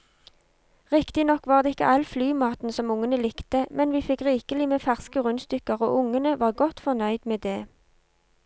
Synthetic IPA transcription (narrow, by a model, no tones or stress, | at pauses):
ʁɪkt̪ɪnɔkʋɑːʁd̪eːɪkːə̰ʔɑlflyːmɑːt̪n̩sɔmʊŋənəlɪkt̪əmɛnʋiːfɪkʁiːkəlɪmeːfæʁskəʁʉnst̪ʏkəʁo̰ːʔʊŋənəʋɑːʁɡɔt̪fɔʁnœʏd̪meːd̪eː